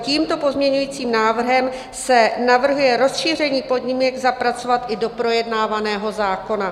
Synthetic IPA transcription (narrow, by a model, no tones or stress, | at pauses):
ciːmt̪o̞po̞zmɲɛɲujiːt͡siːmnaːvr̩ɦɛm | sɛnavr̩ɦujɛɾo̞sʃiːr̝ɛɲiːpo̞dɲɪmujaɡzapɾat͡so̞vat̪ʔɪdo̞pɾo̞jɛdnaːvanɛːɦo̞zaːko̞na